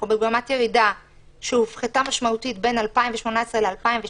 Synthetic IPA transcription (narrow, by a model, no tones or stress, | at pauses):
beɡamatje̞ʁida | ʃeufχitamaʃmautitbe̞nalpaimveʃmo̞nae̞sʁele̞alpaimve